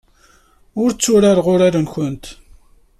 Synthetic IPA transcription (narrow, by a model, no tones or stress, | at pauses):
ʊɾt͡sːʊɾaɾʁʊɾaɾənçənt̪